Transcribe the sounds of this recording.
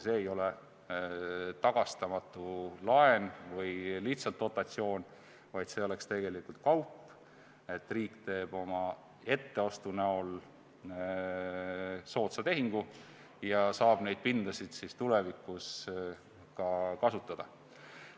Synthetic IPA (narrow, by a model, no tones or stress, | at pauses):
se̞ːjo̞le | t̪ɑɡ̥ɑst̪ɑmɑt̪ˑːulɑe̞nvɤjliht̪sɑlt̪ːo̞t̪ːˑɑt̪sio̞ːn | vɑjd̪se̞ole̞kst̪e̞ɡ̥e̞likult̪̚kɑwpː | e̞t̪ːriːkˑt̪e̞ːb̥o̞mɑ | e̞t̪ːe̞ost̪uneol | so̞ːt̪sɑt̪e̞ɦiŋɡ̥u | jɑsɑːb̥ne̞jd̪̥̚pind̪̥ɑsid̪̥sist̪ule̞vikːˑus | kɑkɑsut̪ːˑɑd̪̥ɑ